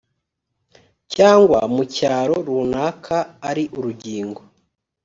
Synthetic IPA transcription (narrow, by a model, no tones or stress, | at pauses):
caːŋɡwamucaːɾoɾuːnaːkʰaːɾiʔuɾuɟiːŋɡo